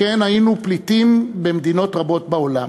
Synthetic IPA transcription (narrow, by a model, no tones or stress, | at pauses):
enajinuplitimbe̞md̪ino̞tʁabo̞t̚baola̰m